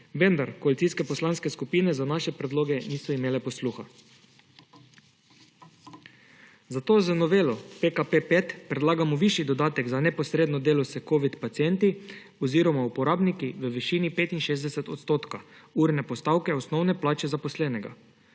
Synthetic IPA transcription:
ʋɛnd̪aɾkoalitsiːskɛpɔslanskɛskupiːnɛzanaʃɛpɾɛd̪loːɡɛniːsɔimeːlɛpɔsluxa | zat̪oːzənɔʋeːlɔpekapepet̪pɾɛd̪laːɡamɔʋiʃjid̪ɔd̪aːt̪ɛɡzanɛpɔsɾeːd̪nɔd̪eːlɔsɛkoːʋit̪pat̪siɛnt̪i | ɔziːɾɔmaupɔɾaːbnikiʋəʋiʃiːnipeːt̪inʃeːzd̪ɛsɛt̪ɔt̪st̪oːt̪kauɾnɛpɔst̪awkɛɔsnɔwnɛplaːt͡ʃɛzapɔslɛːnɛɡa̰

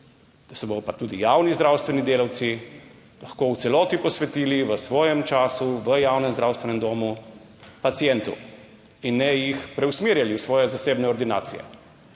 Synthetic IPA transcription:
d̪̥asɛbod̪ɔpat̪uːd̪ijaːwnizd̪ɾaːwst̪ʋɛnid̪eːlawt̪si | laxkoːuwt̪sɛlɔːt̪ipɔsʋɛt̪iːliʋəsʋɔːjɛmt͡ʃaːsuʋəjaːwnɛmzd̪ɾawst̪ʋɛnɛmd̪oːmu | pat̪sijɛnt̪ṵ | inːɛjixpɾɛwsmeːɾjaliusʋɔːjɛzaseːbnɛɔɾd̪ina̰ːtsijɛ̰

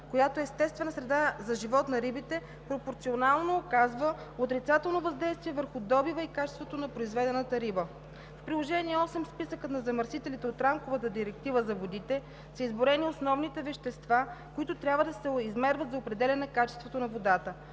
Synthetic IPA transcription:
kojat̪oɛst̪ɛst̪vɛnəsɾɛd̪azɐʒivɔt̪nɐɾibit̪ɛ | pɾopoɾt̪sionalˠnoːkazvəot̪ɾit̪sat̪ɛlˠnovɐzd̪ɛjst̪viɛvəɾxʊd̪ɔbivəikat͡ʃɛ̥st̪vot̪onɐpɾoizvɛd̪ɛnət̪əɾibə | fpɾilˠoʒɛniɛɔsɛmspisəkət̪nɐzɐmɐɾsit̪ɛlit̪ɛot̪ɾamkovət̪əd̪iɾɛk̚t̪ivəzɐvod̪it̪ɛ | sɐizboɾɛniosnɔvnit̪ɛvɛʃt̪ɛst̪vakoit̪ot̪ɾʲabvəd̪ɐsɛizmɛɾvət̪zɐopɾɛd̪ɛlʲɛnɛkat͡ʃɛ̥st̪vot̪onɐvod̪at̪ə

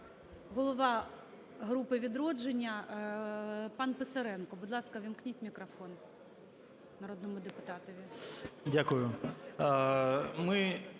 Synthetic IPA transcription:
ɦɔlˠɔʋɑ | ɦɾupɪʋʲid̪ɾɔd͡ʒenʲːɐ | pɑnpɪsɐɾɛnkɔbʊd̪lˠɑskɐʋʲɪmknʲitʲmʲikɾɐfɔn | nɐɾod̪nɔmʊd̪epʊt̪ɑt̪ɔʋʲidʲakʊjʊ | mɪ

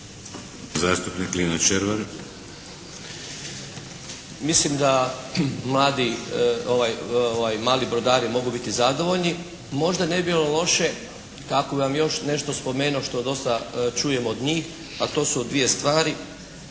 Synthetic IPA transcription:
zaːst̪upnikliːnat͡ʃeɾʋeɾ | mislimd̪a | mlˠaːd̪ioʋajoʋajmaːlibɾod̪aːɾimo̞ɡubit̪izad̪o̞ʋo̞ʎni | mo̞ʒd̪aneibilolˠo̞ʃe̞ | kakobiʋamjo̞ʃne̞ʃt̪ospo̞me̞ːnuo̞ʃt̪o̞d̪o̞st̪at͡ʃuːje̞mod̪ɲiːx | at̪o̞ːsuod̪ʋije̞st̪ʋaːɾi

